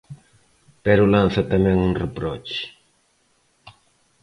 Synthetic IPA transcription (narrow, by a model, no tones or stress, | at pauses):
peɾulansat̪ameŋunrepɾot͡ʃe̥